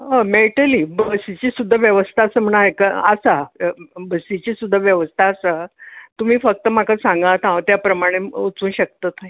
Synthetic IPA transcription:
əmeʈəliːbəsit͡ɕiːsud̪ʱːəʋjəʋəst̪ʰasəːm̤əɽ̃aɦekaəsabəsit͡ɕiːsud̪ʱːaʋjəʋəst̪ʰaːsat̪um̤iːfək̚t̪əm̤akasãŋɡat̪ʰãʋt̪japɾəmaɽ̃eut͡suːnɕək̚t̪ət̪naj

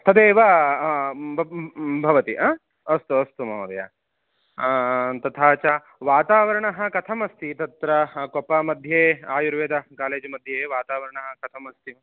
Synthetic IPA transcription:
t̪ʰɐd̪eːʋɐ | bʱɐʋɐt̪iʔa | ɐst̪uɐst̪umɐmɐd̪ɐ̰ja̰ | t̪ɐt̪ʰaːt͡ʃɐ | ʋaːt̪aːʋɐɾɐɳɐɦɐ̆kɐt̪ʰɐmɐst̪ʰit̪ɐt̪ɾɐkopɐmɐd̪ʱjeːaːjuɾʋeːd̪ɐkaːleːd͡ʒɐmɐd̪ʱjeːʋaːt̪aːʋɐɾɐɳɐɦɐ̆kɐt̪ʰɐmɐst̪ʰi

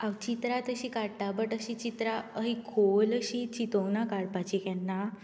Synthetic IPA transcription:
awt͡ɕit̪ɾat̪əɕikaɽʈabəʈəɕit͡ɕit̪ɾaəɦikʰoləɕit͡ɕit̪ownakaɽpat͡ɕikɛnːa

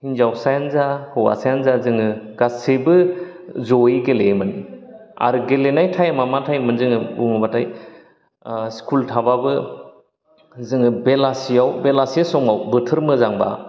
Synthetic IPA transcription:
hinzawsajanzahɯwa̰sajanzazɯŋɯɡasebɯ | zɔiɡelemania̰ɾɯɡelenajtʰajamamatʰajmɯnzɯŋɯbṵŋɯbatʰaj | skʰultʰababɯ | zɯŋɯbelasijawbelasiasɔŋawbɯtʰɯɾmɯzaŋba̰

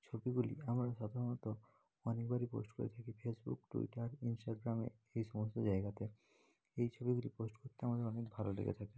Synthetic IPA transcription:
t͡ɕʰobiɡuliamɾaʃad̪ʱaɾonɔt̪o | ɔnekbaɾipo̰sʈkoɾḛt̪ʰakipʰesbṵkʈṵḭʈaɾinsʈaɡɾamḛ | ejʃɔmost̪od͡ʑaeɡat̪e | ejt͡ɕʰobiɡuliposʈkoɾt̪eamad̪eɔnekbʱalolḛɡḛt̪ʰaki

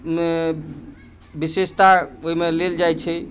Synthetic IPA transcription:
me | bisest̪aoɦimeleld͡ʒajt͡ʃʰɛ

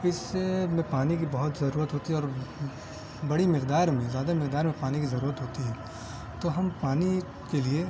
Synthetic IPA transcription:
ɪsemẽpaːnik̬ibɐɦʊt̪zɐɾuːɾət̪ɦoːt̪iɦɛɔːɾ | bɐɽimɪqd̪aːɾmẽzjaːd̪amɪqd̪aːɾmẽpaːnikizɐɾuːɾət̪ɦoːt̪iɦɛ̃ː | t̪oːɦɐmpaːni | kelie

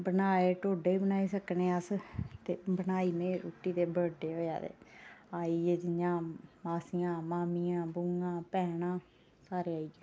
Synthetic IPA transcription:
bənaːeːʈoːɖeːbənaːiːsəkneːəst̪eːbənaːiːmẽːɾoːʈiːt̪eːbəɽɖeːɦoːja̰ːd̪ḛːaːiːeːd͡ʒɪjãːmaːsijãːmaːmiːãːbʊŋɡãːpɛːɽãː | saːɾeːaːiːeː

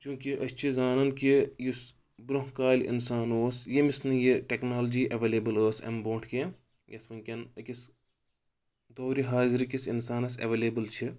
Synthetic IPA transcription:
t͡ʃũːkiʔɐsʲt͡ʃʰizaːnɐnkijus | bɾoɦkaːlʲḭnsaːnoːsjemisnɐjiʈeknaːld͡ʒiːʔɐʋeːleːbɨləːsɐ̰mbõːʈʰke | jɐsʋɐŋʲkʲɐnkis | d̪oːɾiɦaːziɾikisinsaːnɐsɐ̰ʋeːleːbɨlt͡ʃʰi

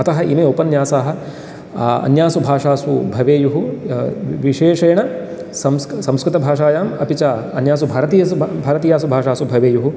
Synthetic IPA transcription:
ɐt̪ɐɦɐʔimeːopɐnjaːsaːɦɐ̆ | ɐ̰njaːsubʱaːʂaːsubʱɐʋeːjuɦu | ʋiʂeːʂɐjɐɳɐ | sɐmssɐ̃mskɾɪt̪ɐbʱaːʂaːjaːmɐ̰pit͡ʃaːɐnjaːs̬ubʱaːɾɐt̪ijɐbʱaːɾɐt̪iːjaːs̬ubʱaːʂaːsubʱɐʋeːjuɦu

